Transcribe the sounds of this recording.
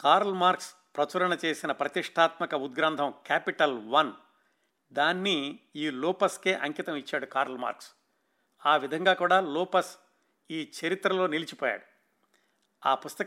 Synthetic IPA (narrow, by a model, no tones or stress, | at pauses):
kaːɾɐlmaːɾks | pɾɐt͡ʃuɾɐɳɐt͡ʃe̞ːsinɐpɾɐt̪iʂʈʰaːt̪mɐkɐud̪̚ɡɾaːnd̪ʰʱɐmkaːpiʈɐlʋɐn | d̪aːnːiiːlɔːpɐskeːʔɐŋkit̪ɐmit͡ʃːaːɽukaːɾɐlma̰ːɾks | aːʋid̪ʱɐŋɡaːkuːɽaːlɔːpɐs | iːt͡ʃɐɾit̪ɾɐlo̞ːnilit͡ʃi̥pɔːja̰ːɽu | a̰ːpust̪ɐ